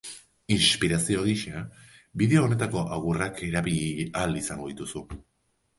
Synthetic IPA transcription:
inspiɾasio̞ɣiʃabiðe̞oːne̞t̪ako̞ʔawɣurakʰe̞ɾaβiʎalisaŋɡo̞ðit̪usu

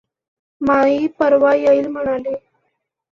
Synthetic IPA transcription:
maɦiːpəɾʋajəilm̤əɽ̃ali

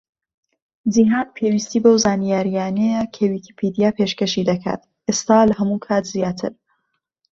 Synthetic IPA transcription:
ziɦaːnpʰewist̪iːbəwzaːnijaːɾijaːnekʰɐwiki̥pʰed̪ijaːpʰeːʃkɐʃid̪ɐkʰa̰ːt̪ | eːst̪aːlɐɦɐmukʰaːt̪zijaːt̪ʰɨ̰ɾ

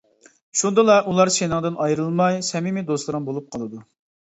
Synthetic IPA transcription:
ʃund̪ɨlˠɑʔulˠɑɾʃenɨŋd̪ɨnɑjɾɨlˠmɑjsɛmimɪd̪oslˠɨɾɨŋbolˠup̚qʰɑlˠɨd̪u

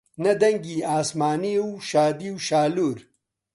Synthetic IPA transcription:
nɐd̪ɐŋɡiaːsmaːniwʃaːd̪iwʃaːluɾ

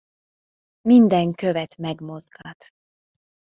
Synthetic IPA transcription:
mind̪ɛŋkøvɛt̪mɛɡmo̞zɡaːt̪

